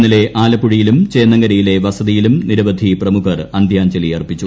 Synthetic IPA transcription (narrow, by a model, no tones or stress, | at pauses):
nːile̞ʔaːlɐpːuɻijilumt͡ɕeːnːɐŋɡɐɾɐjile̞ʋɐsɐðijilumniɾɐbɐd̪ʱiprɐmukʰɐrɐnd̪ʱjaːɲt͡ɕɐlijɐrpit͡ɕːu